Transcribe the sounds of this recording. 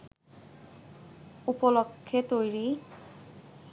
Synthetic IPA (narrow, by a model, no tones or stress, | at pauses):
upolokʰːet̪ojɾi